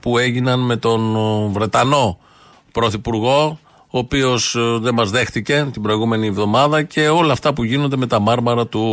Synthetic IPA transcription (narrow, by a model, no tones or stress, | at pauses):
pue̞ʝinɐnme̞t̪o̞nvɾe̞t̪ɐno̞ | pɾo̞θipuɾɣo̞ | oːpio̞sðe̞mɐzðe̞xθice̞t̪ibɾo̞iɣume̞nievðo̞mɐðɐce̞o̞lɐːft̪ɐpuʝino̞nd̪e̞me̞t̪ɐmɐɾmɐɾɐt̪u